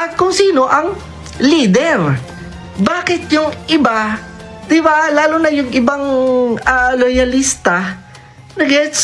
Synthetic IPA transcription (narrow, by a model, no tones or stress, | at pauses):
ʔɐt̪̚kʊŋsiːno̞ʔɐŋ | liːd̪ɛɾ | baːkɪt̪̚jʊŋʔɪbad̪̥ɪbalaːlʊnɐjʊŋʔɪbaŋɐlojɐlist̪ɐ | nɐɡɛt̪s